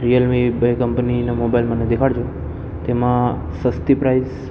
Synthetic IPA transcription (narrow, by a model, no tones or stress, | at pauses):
ɾijəlmibkəmpninamobailməned̪ekʰaɽd͡ʒo | t̪emã | səst̪ipɾaiz